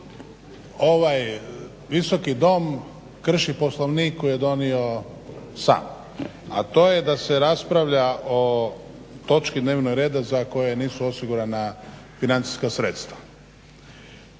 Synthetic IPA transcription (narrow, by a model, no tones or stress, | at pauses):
o̞ʋaj | ʋiso̞kid̪o̞m | kr̩ʃipo̞slˠoʋnikkːojed̪o̞nio̞ | sa̰ːm | a̰t̪o̞ːjed̪ase̞ɾaspɾaʋʎaʔo̞ | t̪o̞t͡ʃkid̪ne̞ːʋnoɡɾe̞ːd̪azako̞jeniːsuo̞siɡuɾanafinant̪si̥skasɾe̞t̪st̪ʋa